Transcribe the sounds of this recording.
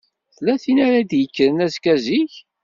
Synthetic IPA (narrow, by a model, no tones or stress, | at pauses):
θlːæθinaɾad̪jəkːəɾənæzkæziç